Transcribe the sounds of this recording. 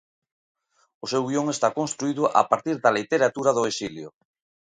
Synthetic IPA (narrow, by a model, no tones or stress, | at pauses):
ʊsewɣioŋest̪akõnst̪ɾuiðʊʔa̰paɾt̪iɾðalit̪eɾat̪uɾaðʊesiljʊ